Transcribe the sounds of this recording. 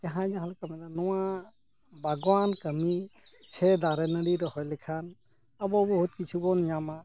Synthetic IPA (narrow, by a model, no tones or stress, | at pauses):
d͡ʒaɦãd͡ʒaɦalɛkamɛd̪anɔwa | baɡɔwankəmi | sɛd̪aɾɛnəɽiɾɔhɔjlɛkʰan | abɔbɔɦut̪̚kit͡ʃʰubɔnɲama